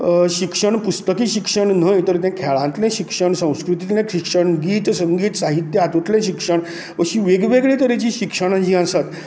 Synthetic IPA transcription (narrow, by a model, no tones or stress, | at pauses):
ɕikʂəɳpust̪əkiːɕikʂəɳn̤əjt̪əɾt̪̬ɛ̃kʰɛɭãnt̪lɛ̃ɕikʂəɳsə̃w̃skɾut̪it̪lɛ̃kɾikʂəɳɡiːt̪səŋɡiːt̪saɦit̪jəat̪ut̪lɛ̃ɕikʂəɳ | ʋəɕiːʋeɡʋeɡɭet̪əɾit͡ɕiːɕikʂəɽ̃ãd͡ʑĩːãsat̪